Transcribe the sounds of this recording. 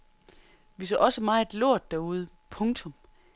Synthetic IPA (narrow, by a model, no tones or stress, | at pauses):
ʋis̬ø̰ʔɒ̽səmɑ̈ːe̝d̥lo̝ɐ̰d̥ːæɐuð̞ˠə | pʰɔ̽ŋt͡sʰɔ̽m